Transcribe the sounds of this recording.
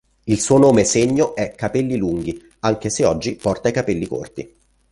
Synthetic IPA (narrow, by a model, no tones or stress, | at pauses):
ilsuːonoːmeseɲːoʔɛkːapɛlːiluŋɡ̟i | aŋk̟eseɔd͡ʒːipɔrt̪aikapɛlːiko̰rt̪ḭ